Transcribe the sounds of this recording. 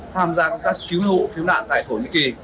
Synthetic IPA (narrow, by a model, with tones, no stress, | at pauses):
t̪ʰaː˧mzaː˨˧kk̪aː˦˥kːi˨˦wlo̰˧˨ki˨˦wna̰ː˧˨nt̪a̰ː˧˨jt̪ʰo˧˩ɲḭ˧˥k̚ki˨˩